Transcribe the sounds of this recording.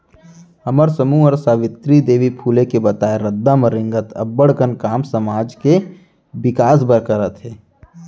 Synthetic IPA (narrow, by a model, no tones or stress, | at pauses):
ɐməɾsəmuːəɾsaːʋɪt̪ɾid̪eːʋipʰuːlekebɐt̪aːeɾəd̪ːaməɾɪ̃ŋɡət̪ʰɐ̰bːəɽkənkaːmsɐmaːd͡ʒke | ʋɪkaːs̬bəɾkəɾət̪ɦeː